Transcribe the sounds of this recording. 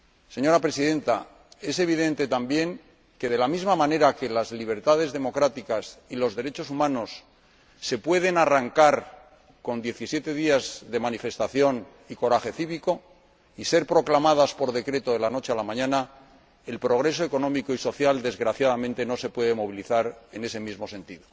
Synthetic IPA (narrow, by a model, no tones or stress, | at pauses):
se̞ɲo̞ɾapɾe̞siðẽ̞nt̪a | e̞se̞β̞iðẽ̞nt̪e̞t̪ambje̞ŋ | ke̞ðe̞lamizmamãne̞ɾake̞lazliβ̞e̞ɾt̪aðe̞zðe̞mo̞kɾat̪ikasilo̞zðe̞ɾe̞t͡ʃo̞sumãno̞sː | e̞pwe̞ð̞e̞naraŋkaɾ | ko̞nd̪je̞θisje̞t̪e̞ðiazðe̞manife̞st̪aθjo̞n | iko̞ɾaxe̞θiβiko̞ | ise̞ɾpɾo̞klamaðaspo̞ɾðe̞kɾe̞t̪o̞ðe̞lano̞t͡ʃealamãɲãna | e̞lpɾo̞ɣɾe̞so̞e̞ko̞nõ̞mikoiso̞θjald̪e̞zɣɾaθjaðamẽnt̪e̞no̞se̞pwe̞ðe̞mo̞β̞iliθaɾene̞se̞mizmose̞nt̪iðo̞